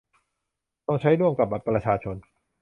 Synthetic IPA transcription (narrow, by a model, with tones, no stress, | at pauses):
t̪ɔ˥˩ŋt͡ɕʰa˦˥jɾu˥˩əmka˨˩p̚baː˨˩pɾa˧t͡ɕʰaː˧t͡ɕʰo˧n